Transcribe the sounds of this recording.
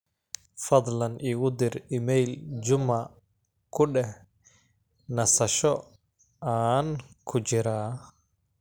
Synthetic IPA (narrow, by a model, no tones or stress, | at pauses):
fɐd̪ˤlɐnʔiːɣʊd̪ɪrɪmɛjld͡ʒʊmɐ | kʰʊɖɛh | nɐsɐʃɔ | aːnkʰʊt͡ʃɪɾaː